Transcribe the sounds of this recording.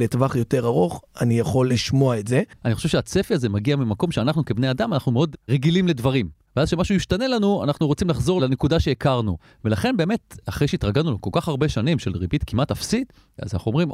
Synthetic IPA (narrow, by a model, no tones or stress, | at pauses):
letvaχjo̞te̞ʁaʁo̞χanijaχo̞lːiʃmoaetze̞aniχoʃevʃeat͡se̞fiaze̞maɡiamimako̞mʃeanaχnuke̞bne̞adamanaχnumeo̞dʁeɡilimle̞dvaʁim | veazʃe̞maʃujiʃtane̞lanua̰naχnuʁo̞t͡simlaχzo̞lanekudaʃe̞ekaʁnu | velaχe̞nbe̞ːme̞taχʁejʃeitʁaɡalnulokolkaχaʁbe̞ʃanimʃe̞lʁibit̪kimʔatafsit̪ | a̰zanaχuomʁim